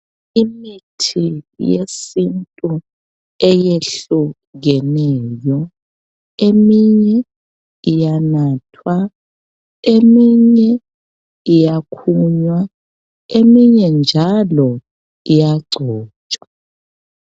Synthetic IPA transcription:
imitʰijḛsintʼu | ɛjeɬu | ɣɛnɛjɔ | emiɲɛ | ijanaːtʰwa | emiɲɛ | ijakʰuɲwa | emiɲɛnd͡ʒʱalɔ | ijaɡ͡ǀʱɔːt͡ʃʼa

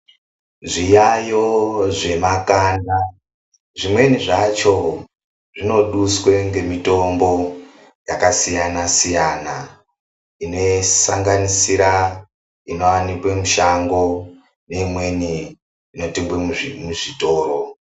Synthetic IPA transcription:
ʐijajo̞ʐe̞makaːna | ʐimwe̞niʐat͡ʃo̞ | ʐino̞ɗuswe̞ŋɡe̞mito̞mbo̞ | jakasijanasijana | ine̞saŋɡanisiɾa | ino̞wanikwemuʃaŋɡo̞ | ne̞imwe̞niː | no̞timbwemuʐito̞ːɾo

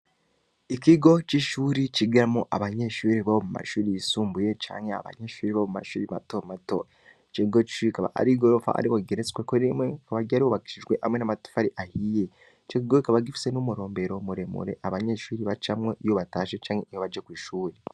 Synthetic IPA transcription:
ikiɡo̞t͡ʃiʃuːɾit͡ʃiɡɾamoʔaβaɲe̞ʃuːɾiβaβomuma̰ʃuːɾijisuːmbuje̞t͡ʃa̰ːɲhea̰βa̰ɲeʃuːɾiβaβomuma̰ʃuːɾiβa̰tomato | t͡ʃeɡot͡ʃi̥ʃuɾikaβa̰a̰ɾiɡoɾofa̰a̰ɾiβoɡeɾet͡skwekoimekaβaɟaɾioβaɡi̥ʃiʒɡwe̞ʔamwenamato̥faɾiʔahije | t͡ʃek̬iɡoikaβaɡifi̥se̞numuɾo̞ːmbe̞ɾo̞muɾe̞mṵɾe̞̰ʔaβaɲe̞ʃuːɾiβat͡ʃamŋeʔijo̞βataːʃet͡ʃaːŋheijoβad͡ʒekwiːʃuːɾi

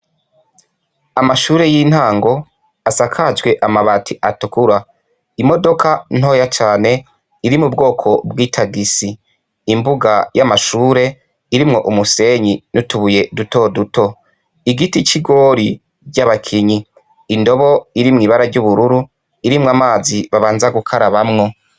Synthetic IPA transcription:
amaʃuːɾe̞jiːn̥haːŋɡo̞ | asakʰad͡ʒɡwe̞ʔamaβatʰiʔatukuɾa | imo̞do̞kan̥o̞ːjat͡ʃaːne̞ | iɾimubɡo̞ːkʰo̞bwiːtʰaɡisiː | mbuɡajamaʃuːɾe̞ | iɾimŋo̞ʔumuse̞ɲinutuβuje̞duto̞duto | iɡitit͡ʃiɡo̞ɾi | ɟaβakʰiɲiː | ndo̞βo̞iɾimŋiːβaɾaɾɟuβuɾuɾu | iɾimŋamaːziβaβaːnzaɡukʰaɾaβamŋo̞

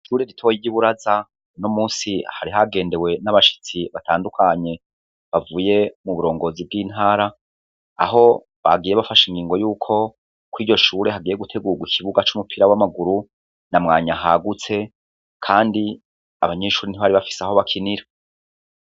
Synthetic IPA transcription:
ʃuːɾe̞ɾitʰojiɟiβuɾaza | nomuːsihaɾiɦaɡe̞ːnde̞we̞naβaʃi̥t͡siβatʰaːndukʰaɲe̞ | βavuːje̞muβuɾo̞ːŋɡo̞ːzib̚ɡiːn̥haːɾa̰ː | ɦo̞ | βa̰ɡiːjeβafaʃiŋɡiːŋɡo̞juːkʰo̞ | kwiːɟo̞ʃuːɾe̞ɦaɡiːjeɡutʰe̞ɡuɡwikʰiβuɡat͡ʃumupʰiɾawamaɡuɾu | namŋaːɲaɦaɡut͡se̞ | kʰaːndi | a̰βaɲe̞ʃuːɾiniβaɾiβafi̥seaɦo̞βakʰiniɾa

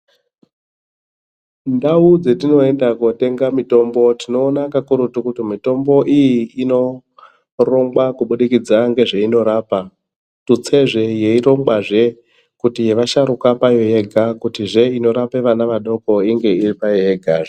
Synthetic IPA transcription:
ndaud͡ze̞tino̞e̞ndakote̞ŋɡamito̞mbo̞tino̞ːnakakuɾutukutimito̞mbo̞ʔijiːno̞ | ro̞ŋɡwakuɓuɗikid͡zaŋɡe̞ʐeino̞ɾaːpa | tut͡se̞ʐe̞jeiɾo̞ŋɡwaʐe̞ | kutije̞ʋaʃaɾukapajo̞je̞ɡʱakutiʐe̞ino̞ɾape̞ʋanaʋaɗo̞ko̞iŋɡe̞iripajojeɡʱaʐ

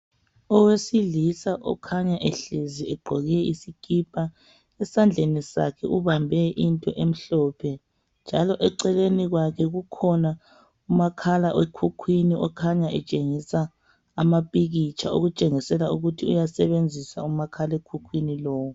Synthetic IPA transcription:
ɔwesiɮisaʔɔ̰kʰaɲaʔeɬiziɛɡ͡ǃʱɔɣiɛisikʰʼipʰʼa | ɛsand͡ɮʱenisa̰kʰɛʔuβambʱɛʔintʼɔʔem̩ɬɔːpʰɛ | nd͡ʒʱalɔʔɛǀɛleniɣwakʰɛɣukʰɔna | umakʰalaʔwʔekʰukʰwiniʔɔkʰaɲaʔɛt͡ʃʼeŋisaː | mapʼiɣit͡ʃʰao̰ɣut͡ʃʼeŋisɛlauɣutʰiujasɛβend͡zʱisaumakʰalekʰukʰwinilɔːwɔ

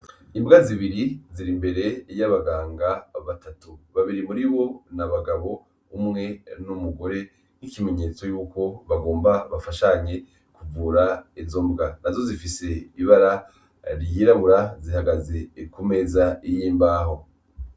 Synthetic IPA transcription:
imbɡaziβiɾiziɾimbe̞ɾe̞jaβaɡaːŋɡaβatatuβaβiɾimuɾiβo̞naβaɡaβo̞ː | mŋe̞numuɡo̞ɾe̞ | nikime̞ɲe̞t͡so̞juːko̞βaɡo̞ːmbaβafaʃaɲe̞ | kuvuːɾaivzo̞mbɡanazo̞zifise̞iβaɾa | ɾjiɾaβuɾazihaɡaze̞kume̞zaijiːmbaːɦo̞

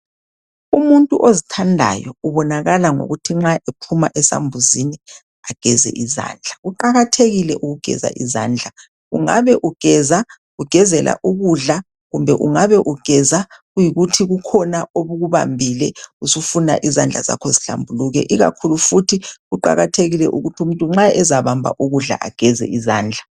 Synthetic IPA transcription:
umuntʼuʔozitʰandʱa̰jɔuβɔnaɣalaŋo̰ɣutʰiŋ͡ǁaʔepʰumaʔɛsa̰mbʱuzini | aɡ̥ʱɛzɛ̰ʔiza̰ːnd͡ɮʱaɣuǃaɣatʰeɣilɛʔuɣuɡ̥ʱɛ̰za̰ʔiza̰ːnd͡ɮʱa | ɣṵŋa̰βɛʔuɡ̥ʱɛza | ɣuɡ̥ʱɛzɛlʔa̰ʔuɣuɮa | ɣumbʱɛʔuŋaβɛʔuɡ̥ʱɛzaɣujiɣutʰiɣukʰɔnaoβuɣuβa̰mbʱilɛusufuna̰ʔizand͡ɮʱa̰za̰kʰɔziɬa̰mbʱuluɣɛ̰ʔiɣa̰kʰulufutʰiɣuǃa̰ɣatʰeɣilɛʔuɣutʰium̩ntʼuŋ͡ǁaɛzaβambʱa̰ʔuɣuɮa̰ʔa̰ɡ̥ʱɛzɛ̰izaːnd͡ɮʱa

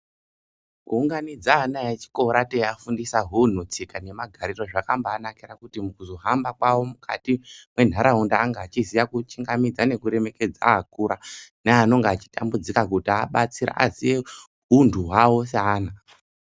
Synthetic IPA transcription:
kuːŋɡanid͡zaɦnajet͡ʃi̥ko̞ɾatejafundisaɦun̤ut͡sikane̞maɡʱaɾiroʐakambaːnakirakutimukuzo̞ɦambakwawo̞mukʰa̰timwe̞n̤aɾaɦundaːŋɡaːt͡ʃizijakut͡ʃiŋɡamid͡zane̞kuɾe̞me̞ke̞d͡za̰ːkuɾaneano̞ŋɡaat͡ʃi̥ta̰mbud͡zikakutiaɓat͡siɾa̰ʔazie | undʱuɦwawo̞s̬aːna

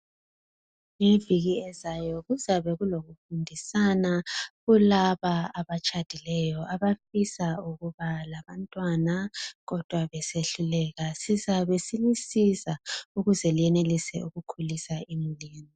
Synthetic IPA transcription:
ŋeviɣiɛzajɔɣuzaβɛɣuloɣufundʱisanaɣulaβaaβat͡ʃʼad̥ʱilɛjɔʔaβafisauɣuβalaβantʼwanaɣɔd̥ʱwaβɛseɬulɛɣasizaβesilisizauɣuzɛlijɛnelisɛʔuɣukʰulisaimuliːni

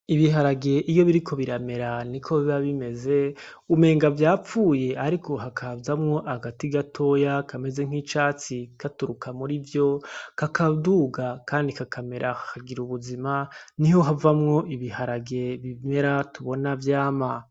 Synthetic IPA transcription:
iβiɦaɾaɡe̞ʔijo̞βiɾikʰo̞βiɾame̞ɾanikʰo̞βiβaβime̞ze̞ | ume̞ːŋɡavjaːp͡fuːje̞ʔaɾiko̞ɦakʰabzamŋo̞ʔaɡatiɡatʰo̞jakʰame̞ze̞ŋ̥hit͡ʃaːt͡sikatuɾukʰamuɾivjo̞kakʰaduɡakaːndikakʰame̞ɾʔahakʰaɡiɾuβuzimaniho̞ɦavamŋo̞ʔiβihaɾaɡe̞βime̞ɾatuβo̞navjaːma

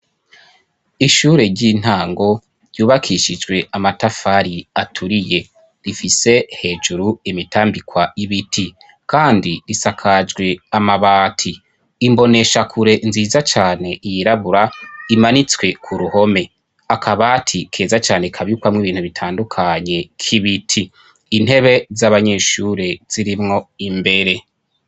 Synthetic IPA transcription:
iʃuːɾe̞ɟin̥haːŋɡo̞ | ɾjuːβakʰiʃid͡ʒɡwe̞ʔamatafaɾiatʰuɾije̞ | ɾifise̞he̞ːd͡ʒuɾuimitʰaːmbikwaiβitʰi | kaːndiɾisakʰad͡ʒɡwe̞amaβaːtʰiː | mbo̞ne̞ʃakʰuɾe̞nziːzat͡ʃaːne̞ʔijiɾaβuɾaimanit͡swe̞kʰuɾuho̞me̞ | akʰaβatʰikʰe̞ːzat͡ʃaːne̞kʰaβjukwamŋiβiːnhuβitʰaːndukʰaɲe̞kʰiβitʰiː | n̥he̞βe̞zaβaɲe̞ːʃuːɾez̥iɾimŋo̞imbe̞ɾe̞

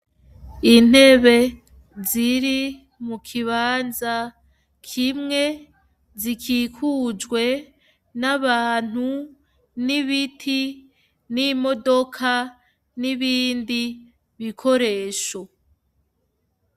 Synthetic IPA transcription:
in̥he̞βe̞ | ziɾi | mukʰiβaːnza | kʰimŋe̞ | zikʰiːkʰuːd͡ʒɡwe̞ | naβaːn̥hu | niβitʰi | nimo̞do̞kʰa | niβiːndi | βikʰo̞ɾe̞ːʃo̞

